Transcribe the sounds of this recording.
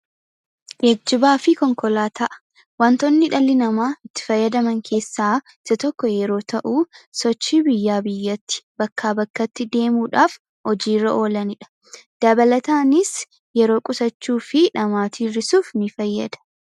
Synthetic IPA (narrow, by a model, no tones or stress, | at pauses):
beːɡ̚d͡ʒɪbaːfɪkɔŋkɔlaːt̪ʰɐʔɐ̥ | wɐnt̪ɔnːɪᶑɐlːɪnɐmaːɪt̪ːɪ̥fɐjːɐd̪ɐmɐŋkʰe̞ːsːaː | ɪsɐt̪ɔkːɔjɛɾo̞ːt̪ʰɐʔuːsɔt͡ʃːiːbɪjːaːbɪjːɐt̪ːɪ̥b̥ɐkʰːaːbɐkːɐt̪ːɪd̪e̞ːmuːᶑaːf | hɔd͡ʒiːrːɐʔo̞ːlɐnɪᶑɐ̥ | d̪̥ɐbɐlɐt̪aːnɪs | jɛɾo̞ːkʼʊsɐt͡ʃːuːfɪᶑɐmaːt̪iːrɪsuːfnɪfɐjːɐ̰d̪ɐ̥